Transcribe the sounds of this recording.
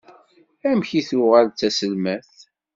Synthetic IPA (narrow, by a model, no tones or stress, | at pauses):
æmçiθuʁælt͡sːæsəlmæθ